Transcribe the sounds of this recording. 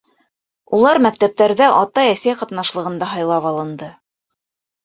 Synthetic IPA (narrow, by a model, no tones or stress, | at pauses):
ulˠɑɾmæk̚t̪æp̚t̪æɾðæʔɑt̪ɑæsæjqɑt̪nɑʃlˠɤ̆ʁɤ̆nd̪ɑɦɑjlˠɑpɑlˠɤ̆nd̪ɤ